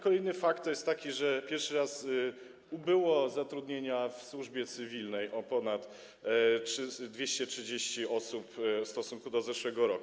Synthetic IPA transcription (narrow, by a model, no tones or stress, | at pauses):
kɔlɛjnɘfakt̪ːɔjɛst̪ːakʲiʐɛpʲjɛɾʂɘɾas | ubɘwɔzat̪ɾud̪ɲeɲafswuʐbʲjɛt̪sɘvʲilnɛjʔɔpɔnat̪ | ʂd̪vʲjeɕt͡ɕɛtʂɘd͡ʑeɕt͡ɕiɔsupfst̪ɔsuŋkud̪ɔzɛʂwɛɡɔɾɔku